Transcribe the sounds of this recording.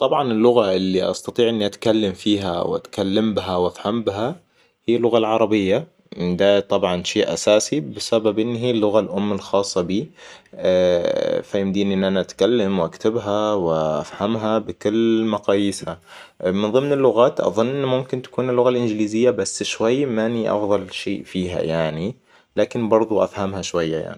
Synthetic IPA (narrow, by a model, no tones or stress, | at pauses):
t̪ˤɑbʕɑnɪlːʊɣaʔɪlːiʔɑ̰st̪ɑt̪ˤiːʕʔɪnːiʔat̪kalːamfiːɦa̰wʔa̰t̪kalːambɪɦawʔafhambɪɦa | hiːlːʊɣalʕɑɾˤɑbɪjːa | mɪnd̪aːt̪ˤɑbʕɑnʃeːʔa̰saːsibɪsababʔɪnːɦiːlːʊɣalʔʊmːɪlxɑːsˤːɑbiː | fajɪmd̪iːnʔɪnːʔanaʔat̪kalːamwʔakt̪abɦawɪʔa̰fhamɦabɪkʊlːmaqɑːjɪsha | mɪnðˤɨmnɪlːʊɣaːt̪ʔɑ̰ðˤʊnːʔɪnːmʊmkɪnt̪ḁkuːnɪlːʊɣalʔɪnd͡ʒɪliːzɪjːabasːʃwajːmaniʔɑ̰fðˤɑlʃḛːʔfiːɦa̰jaʕni | laːkɪnbɑɾˤd̪ˤuʔa̰fhamhaʃwajːaja̰ʕni